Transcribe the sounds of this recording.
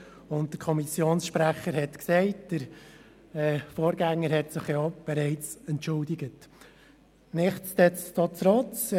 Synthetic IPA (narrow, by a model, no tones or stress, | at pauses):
ʊnt̚dəɾkʰɔmisjoːnsʃpɾæχəɾhɛtksɛɪtd̥əɾ | ɛfoːɾɡæŋːəɾhɛtsɪχjɑb̥ɛɾɛɪt͡sɛntːʊldɪɡət | nɪχtt͡stɛt͡stɑt͡sɾɔt͡s